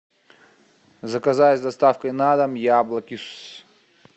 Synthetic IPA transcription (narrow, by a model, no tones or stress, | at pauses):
zɐkɐzajɛsʲd̪ɐst̪afkəjnad̪ɐmjablˠɐkʲis